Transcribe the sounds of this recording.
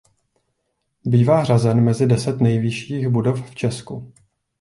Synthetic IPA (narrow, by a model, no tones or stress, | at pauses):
biːvaːɦr̝azɛnmɛzɪdɛsɛt̪nɛjvɪʃiːxbudofft͡ʃɛsku